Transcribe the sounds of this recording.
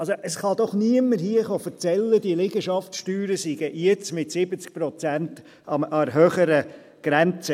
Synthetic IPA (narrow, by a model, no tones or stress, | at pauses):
ɑlsoʔəsχɑd̥̪ɔχniəmːəhiəχoːfəɾt͡sɛlːəd̥iəlɪɡəʃɑftsʃtyːɾəsiɡ̥əʔjɛt͡smɪtsɪbət͡sk̚pɾɔt͡sænt | ɑmɑɾɦøːχəɾə | ɡ̥ɾænt͡sə